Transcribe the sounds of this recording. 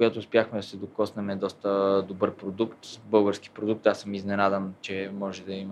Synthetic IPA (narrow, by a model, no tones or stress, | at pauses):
ɡat̪oːspʲjaxmɛd̪ɐsɛd̪okɔsnɛmɛd̪ɔst̪əd̪obəɾpɾod̪ukt̪bɤlˠɡəɾski̥pɾod̪uk̚t̪asəmiznɛnad̪ənt͡ʃɛmɔʒɛd̪ɐim